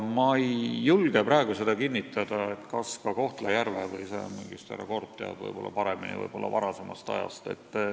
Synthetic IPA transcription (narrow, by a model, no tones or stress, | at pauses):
mɑjːulɡ̥e̞pɾɑeɡ̥use̞d̪̥ɑkinːit̪ːˑɑd̪̥ɑe̞t̪kɑskɑko̞ht̪lɑjærvevɯjsḛmiŋɡ̥ist̪ḛɾɑ̰ko̞rt̪ːjæ̰ːb̥vɤ̰jb̥o̞lːɑ̰pɑɾe̞minḭvɤ̰jb̥o̞lːɑ̰vɑɾɑse̞mʔɑst̪ɑ̰jɑ̰st̪e̞̰t̪ˑː